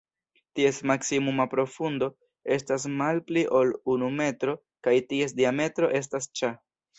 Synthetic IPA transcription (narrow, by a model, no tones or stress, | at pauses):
tie̞smaksimumapɾo̞fundo̞ | e̞stas̬malpliʔo̞lunume̞tɾo̞ | kajtie̞s̬diame̞tɾo̞̰ʔe̞s̬tast͡ʃa